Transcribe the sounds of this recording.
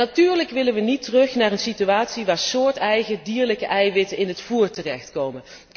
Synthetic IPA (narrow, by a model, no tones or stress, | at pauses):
natyːɹləkʋɪlənʋənitərɵxnaːɹənsityaːtsiʋaːɹsʊːɹtɛjɣədiːɹləkəʔɛjʋɪtəɪnɦətfuːɹtərɛxtkowmən